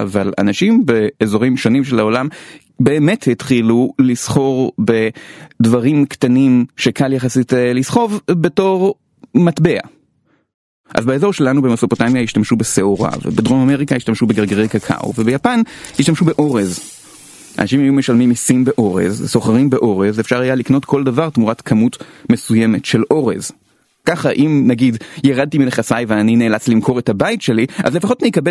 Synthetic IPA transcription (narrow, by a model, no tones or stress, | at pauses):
ʔa̰vala̰naʃimbe̞ːzo̞ʁimʃonimʃe̞lao̞lam | be̞ːme̞thitχilulisχo̞ʁbe̞dvaʁimktanimʃe̞kʰaljaχasitlisχo̞vbe̞to̞ʁ | matbe̞a̰ | ʔa̰zbaezo̞ʃe̞lanube̞mesopo̞tamjaiʃtamʃubeseoʁa̰vḛbedʁomame̞ʁikajiʃtamʃubeɡeʁɡeʁejkakʰa̰o̰vebejapanhiʃtamʃube̞ʔo̞ʁez | ʔa̰naʃimajume̞ʃalmimisimbe̞ʔo̞ʁḛzso̞χaʁimbe̞ʔo̞ʁezefʃaʁhajalikno̞tkʰo̞ldavaʁtmuʁatkʰamutme̞suje̞me̞tʃe̞lʔo̞ʁḛz | kaχaʔimnaɡidjaʁad̚timineχasajveanineːlat͡slimkʰo̞ʁethabajtʃe̞liʔa̰zle̞faχo̞tnikabe